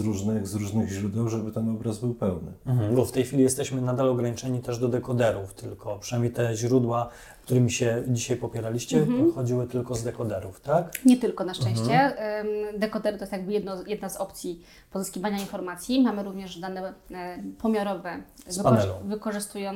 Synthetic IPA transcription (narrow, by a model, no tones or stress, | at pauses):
zɾuʐnɘɣzɾuʐnɘɣʑɾud̪ɛwʐɛbɘt̪ɛnɔbɾazbɘwpɛwnɘbɔft̪ɛjxʲfʲilʲijɛst̪ɛɕmɘnad̪alɔɡɾaɲit͡ʂɛɲit̪ɛʐd̪ɔd̪ɛkɔd̪ɛɾuft̪ʰɘlkɔpʂɨnajmʲejt̪ɛʑɾud̪wa | kt̪uɾɘmʲiɕɛd͡ʑiɕajpɔpʲjɛɾalʲiɕt͡ɕɛpɔt̪xɔd͡ʑiwɘt̪ɘlkɔzd̪ɛkɔd̪ɛɾuft̪akɲɛt̪ɘlkɔnaʂt͡ʂɛ̃ɕt͡ɕɛ | d̪ɛkɔd̪ɛɾɘt̪ɔjɛst̪jaɡ̚bɘjɛd̪nɔjɛd̪nazɔpt̪sʲji | pɔzɘskʲivaɲainfɔɾmat̪sʲjimamɘɾuvɲɛʐd̪anɛ | pɔmʲjaɾɔvɛpanɛlɔ̃vɘkɔʐɘst̪ujɔ̃